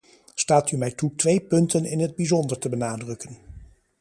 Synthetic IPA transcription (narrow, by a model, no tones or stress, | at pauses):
staːtymɛjtutʋejpɵntənɪnɦəd̚bizɔndəɹtəbənaːdrɵkən